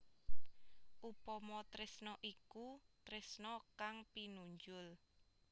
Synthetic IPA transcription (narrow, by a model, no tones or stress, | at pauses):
ʔupɔmɔt̪ɾɪsnɔʔikut̪ɾɪsnɔkaŋpinuɲd͡ʒʊl